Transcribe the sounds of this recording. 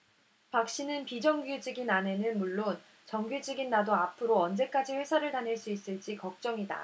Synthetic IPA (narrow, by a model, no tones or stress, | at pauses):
pak̚ɕ͈inɯnpid͡ʑʌŋɡjud͡ʑiɡinane̞nɯnmuɭːon | t͡ɕʌŋɡjud͡ʑiɡinːadoapʰɯɾoʌnd͡ʑe̞k͈ad͡ʑiɸwe̞sʰaɾɯɭtanɦeɭs͈uis͈ɯɭt͡ɕ͈ikʌk̚t͡ɕ͈ʌŋida̰